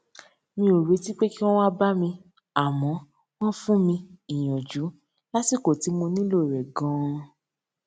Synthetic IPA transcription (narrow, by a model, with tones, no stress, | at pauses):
mĩ˧˦o˨ɾe˨˧˦ti˦k͡pe˦ki˦w̃ɔ̃˦wa˦ba˦mĩ˧ | a˨mɔ̃˨˦ | w̃ɔ̃˦fũ˦mĩ˧i˨j̃ɔ̃˨d͡ʒu˨˦ | la˦si˦˨ko˨ti˨˦mũ˧nĩ˦lo˦˨ɾɛ˨ɡɔ̃˨˦